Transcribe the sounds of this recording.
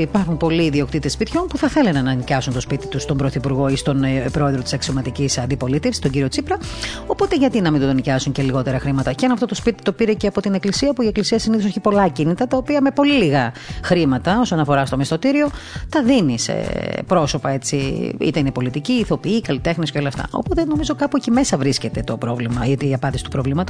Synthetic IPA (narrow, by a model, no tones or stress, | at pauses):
ipɐɾxunpo̞liːðio̞kt̪it̪espit̪ço̞npuθɐθe̞lenenɐnicɐsunt̪o̞spit̪it̪ust̪o̞mbɾoθipuɾɣo̞ist̪o̞npɾo̞e̞ðɾot̪isɐksio̞mɐt̪icisɐnd̪ipo̞lit̪efsi̥st̪o̞ɲɟiɾio̞t͡sipɾɐo̞po̞t̪e̞ʝɐt̪inɐmind̪ot̪onicɐsuɲceliɣo̞t̪e̞ɾɐxɾimɐt̪ɐceenɐft̪o̞t̪ospit̪i̥t̪o̞piɾe̞ceɐpo̞t̪ine̞klisiɐopuie̞klisiɐsiniθoseçipo̞lɐcinit̪ɐt̪ɐopiɐme̞po̞liliɣɐxɾimɐt̪ɐosonɐfo̞ɾɐst̪o̞mest̪o̞t̪iɾio̞t̪ɐðinisḛpɾo̞so̞pɐe̞t͡siḭt̪einepo̞lit̪iciːθo̞piikɐlit̪e̞xnisceo̞lɐft̪ɐ̰ʔo̞̰pot̪eeno̞mizo̞kɐpucime̞sɐvɾisce̞t̪e̞t̪o̞pɾo̞vlimɐɐt̪iːɐpɐnd̪isit̪upɾovlimɐt̪u̥